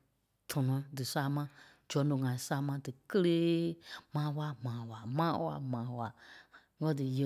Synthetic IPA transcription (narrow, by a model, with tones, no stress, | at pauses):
tʰɔ˨nɔ̃˨dɨ˨saː˧˦mã˧˦ | d͡ʒɔ˨˦nõ˨ŋã˨ĩ˨saː˧˦mã˧˦dɨ˨kə˦leː˦mãː˨˦wa˧˦mãː˨˦wa˨mãː˦wa̰˧˨mãː˨˦wa˨ | ŋɜ˦dɨ˨je˨